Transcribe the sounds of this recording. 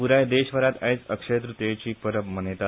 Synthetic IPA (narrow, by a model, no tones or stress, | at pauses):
uɾajd̪eɕʋəɾat̪a̰jt͡səkʂəjt̪ɾut̪jat͡ɕiːpəɾəbmənet̪a